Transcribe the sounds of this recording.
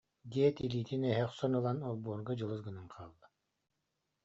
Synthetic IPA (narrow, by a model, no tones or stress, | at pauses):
ɡiːt̪iliːt̪inɛɦɛχsɔnɯlˠanɔlˠbuːɾɡɔd͡ʑɯlˠɯsɡɯnɯnqʰaːlˠːḁ